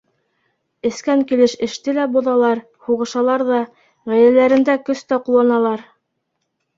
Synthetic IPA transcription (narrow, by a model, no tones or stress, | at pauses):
ɘ̆skæŋkilɘʃɘ̆ʃt̪ɘlæbŭðɑlˠɑɾ | huʁɤ̆ʃɑlˠɑɾðɑ | ʁæjlælæɾɘ̆nd̪ækɵst̪æqulˠːɑnɑlˠɑɾ